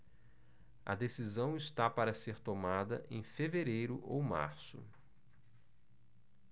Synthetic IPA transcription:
ɐ̰d̪esizɐ̃w̃ɪst̪apaɾɐseɾt̪omad̪ɐ̰ʔẽj̃feveɾejɾʊʔowma̰ɾsʊ̰

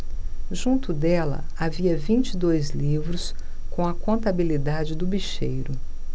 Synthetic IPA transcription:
ʒũnt̪ʊd̪ɛlɐ̰aviɐvĩt͡ʃid̪ojzlivɾʊs | kõɐkõnt̪abilid̪ad͡ʒɪd̪ʊbiʃejɾʊ

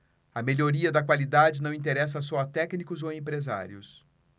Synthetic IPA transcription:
ɐmeʎoɾiɐd̪ɐkwalid̪ad͡ʒɪnɐ̃w̃ĩnt̪eɾɛs̬ɐsɔɐt̪ɛknikʊzoẽpɾeza̰ɾiʊs

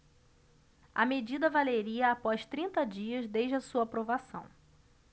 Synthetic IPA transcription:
ɐ̰med͡ʒid̪ɐvaleɾiɐapɔjst̪ɾĩnt̪ɐd͡ʒiɐzd̪ejd͡ʒɪɐsuɐːpɾovasɐ̃w̃

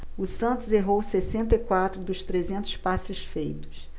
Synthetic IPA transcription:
ʊsɐ̃nt̪ʊzeɦowsesẽnt̪ɐikwat̪ɾʊd̪ʊʃt̪ɾezẽnt̪ʊ̥spasɪʃfejt̪ʊ̥s

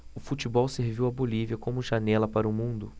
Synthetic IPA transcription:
ʊfut͡ʃibɔwseɾviwɐboliviɐkõmʊʒanɛlɐpaɾʊmũnd̪ʊ

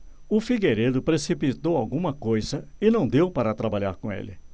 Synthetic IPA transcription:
ʊfiɡeɾed̪ʊpɾesipit̪owawɡũmɐkojzɐɪnɐ̃w̃d̪ewpaɾɐt̪ɾabaʎaɾkõḛlɪ

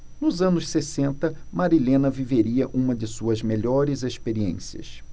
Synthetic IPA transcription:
nʊzɐ̃nʊssesẽnt̪ɐmaɾilẽnɐviveɾiɐʔũmɐd͡ʒɪsuɐzmeʎɔɾɪzespeɾiḛ̃siɐ̰s

